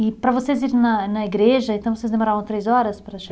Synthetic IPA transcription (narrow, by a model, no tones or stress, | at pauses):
ɪpɾɐvoseziɾ̃nɐnɐiɡɾeʒɐẽnt̪ɐ̃w̃vosezd̪emoɾavɐ̃w̃t̪ɾejzɔɾɐspɾɐʒ